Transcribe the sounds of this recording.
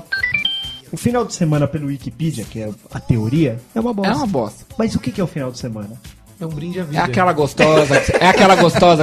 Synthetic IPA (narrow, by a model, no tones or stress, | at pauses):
ʊfinawd͡ʒɪsemɐ̃nɐpelʊwikipid͡ʒiɐkɪɛɐt̪eoɾiɐɛũmɐbɔsɛ̃mɐbɔsɐ̥mɐzʊkɪkɪɛʊfinawd͡ʒɪsemɐ̃nɐ | ɛũbɾĩd͡ʒaviɛakɛlɐɡost̪ɔzɐksɛakɛlɐɡost̪ɔzɐ